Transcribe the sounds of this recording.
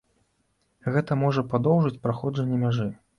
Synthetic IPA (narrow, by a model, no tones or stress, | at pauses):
ɣɛt̪ɐmɔʐɐpɾad̪ɔwʐɨt͡sʲpɾaxɔd͡ʐɐnʲːɛmʲaʐɨ